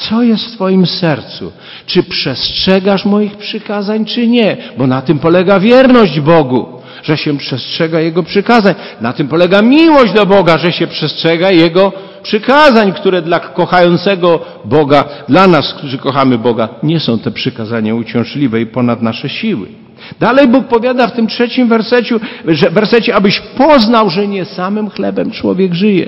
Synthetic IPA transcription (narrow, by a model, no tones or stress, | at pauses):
t̪sɔjɛst̪ft̪fɔjimsɛɾt̪sṵ | t͡ʂɘpʂɛstʂɛɡaʂmɔjixpʂɘkazaɲt͡ʂɘɲɛbɔnat̪ɘmpɔlɛɡavʲjɛɾnɔʑd͡ʑbɔɡu | ʐ̥ɛɕɛpʂɛstʂɛɡajɛɡɔpʂɘkazaɲ | nat̪ɘmpɔlɛɡamʲiwɔʑd͡ʑd̪abɔɡaʐɛɕɛpʂɛstʂɛɡajɛɡɔ | pʂɘkazaɲkt̪uɾɛd̪lakɔxajɔnt̪sɛɡɔ | bɔɡad̪lanaskt̪uʐɘkɔxamɘbɔɡaɲɛsɔ̃w̃t̪ɛpʂɘkazaɲaut͡ɕɛ̃w̃ʐlʲivɛipɔnad̪naʂɛɕiwɘ̰ | d̪alɛjbuk̚pɔvʲjad̪aft̪ɘmtʂɛt͡ɕimvɛɾsɛt͡ɕuʐɛvɛɾsɛt͡ɕɛabɘɕpɔznawʐɛɲɛsamɘmxlɛbɛmt͡ʂwɔ̰vʲjɛɡʐɘjɛ̰